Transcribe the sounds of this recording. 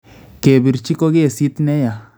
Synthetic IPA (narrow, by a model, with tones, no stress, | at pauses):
ke˨bi˨ɾt͡ʃi˦ko˦ɡe˦e˨si˦t̪nɛ˦ja˨